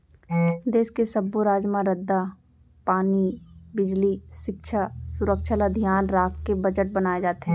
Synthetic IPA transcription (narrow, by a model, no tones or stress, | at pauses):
d̪eːskesɐbːoɾaːd͡ʒmãɾəd̪ːa | paːnibɪd͡ʒliʃɪkʃʰasʊɾəkʃʰəlad̪ʱijaːnɾaːkkebəd͡ʒəʈ̚bɐnaːed͡ʒaːt̪eɦɛ̃